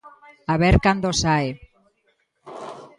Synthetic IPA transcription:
aβeɾkand̪osae

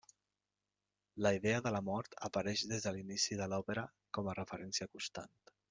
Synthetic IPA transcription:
ləiðeəðələmɔɾt̪əpəɾɛʃðezðəlinisiðəlɔpəɾə | kɔmərəfəɾɛnsiəkunst̪a̰nt̪

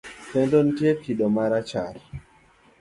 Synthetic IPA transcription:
tɛndontietʰiɗɔmaɾat͡ʃaɾi

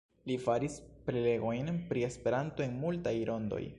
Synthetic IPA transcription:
lifaɾispɾele̞ɡo̞jnpɾie̞spe̞ɾanto̞e̞nmultajɾʔo̞ndo̞̰j

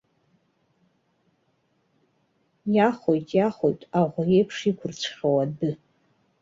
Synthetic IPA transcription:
jaχojtʼjaχo̰jtʼaʁʷʊjejpʰʂikʷʰʊrt͡ʃʷʰχʲowadɨ

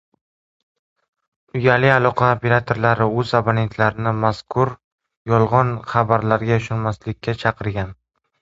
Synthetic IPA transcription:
ʊjalɪalˠɒqʰɑopʰe̞ɾat̪ʰo̞ɾlaɾɪɵzabone̞nt̪ʰlaɾɪnɪmaskʰʊɾ | jɒlˠʁɒnχɑbaɾlaɾɡʲaʊʃʊnmaslɪkʲːat͡ʃʰɑqʰɨɾɡʲan

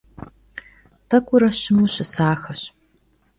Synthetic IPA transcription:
tʰɐkʷʼʊɾɐɕɪmuɕɪsaːxɐɕ

